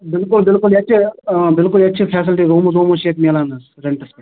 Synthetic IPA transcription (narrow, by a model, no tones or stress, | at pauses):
bɪlkʊlbɪlkʊliɐːʃʰebɪlkʊliɐtːʃʰipʰɛːsɪlʈiɾoːmozoːmoʃeːkmeːlaːnɐs | ɾeɳʈɐspe